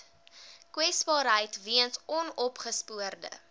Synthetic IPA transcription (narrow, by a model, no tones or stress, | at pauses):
kwɛsbɑːɾɦəjtviənsɔnɔpχəspuərdə̰